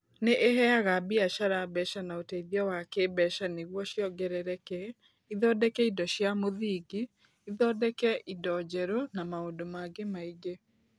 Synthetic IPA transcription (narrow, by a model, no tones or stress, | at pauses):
neʔeɦɛaɣabiaʃaɾabɛʃanaotɛiðjɔwakebɛʃaneɣwɔʃjɔɡɛɾɛɾɛkɛ | iðɔːdɛkɛidɔʃjamoðiɡi | iðɔdɛkɛʔidɔd͡ʑɛɾonamaoːndomaɡemaiɡe